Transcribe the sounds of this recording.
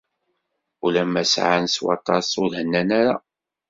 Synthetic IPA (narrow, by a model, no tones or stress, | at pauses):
ulæmːæsʕanswɑ̰t̪ˤːɑsˤʊɾhənːænæɾa